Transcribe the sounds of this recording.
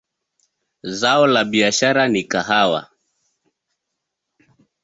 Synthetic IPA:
zaɔlaɓiaʃaɾanikaɦawa̰

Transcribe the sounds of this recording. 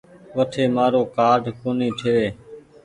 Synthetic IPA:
ʋəʈʰeːmaːɾoːkaːɖʱkoːniːʈʰeːʋeː

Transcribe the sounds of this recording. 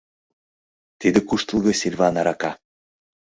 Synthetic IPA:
t̪id̪ɘ̆kuʃt̪əlˠɣɤ̆sʲilʲvɑnɑɾɑkɑ

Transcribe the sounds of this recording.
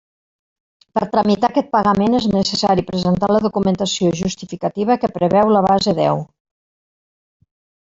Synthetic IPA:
pəɾt̪ɾəmit̪akɛt̪̚pəɣəmeneznəsəsaɾipɾəzent̪aləðukumənt̪əsioʒust̪ifikət̪iβ̞əkəpɾəβɛwləβ̞azeðɛ̰w

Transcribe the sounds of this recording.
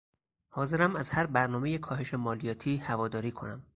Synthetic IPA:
hɒːze̞ɾæmæzhæɾbæɾnɒːmejekʰɒːɦeʃemɒːlijɒːt̪ʰiːhævɒːd̪ɒːɾiːkʰo̞̰næm

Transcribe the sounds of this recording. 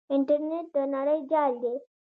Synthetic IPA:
iɳʈəɾneʈ̚d̪ənaɾajd͡ʑalːe

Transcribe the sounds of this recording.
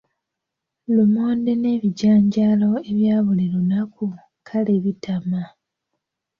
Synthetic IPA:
lumo̞ːnde̞ne̞ːβiɟaːɲɟaːlo̞eβjaːβuliɾonaku | kʰaleβitʰama

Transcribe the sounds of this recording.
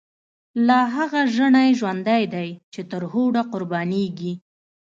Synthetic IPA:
laɦaɣaʒəɳajʒwand̪ajd̪ajt͡ʃet̪əɾhoɽaqʊɾbɑneɡi

